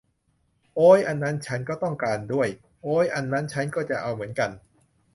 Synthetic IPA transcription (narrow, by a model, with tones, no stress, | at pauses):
ʔoː˦˥jʔa˧nːa˦˥nt͡ɕʰa˦˥nkɔː˥˩t̪ɔ˥˩ŋkaː˧ndu˥˩əj | ʔoː˦˥jʔa˧nːa˦˥nt͡ɕʰa˦˥nkɔː˥˩t͡ɕa˨˩ʔa˧wmɯ˩˦ənka˧n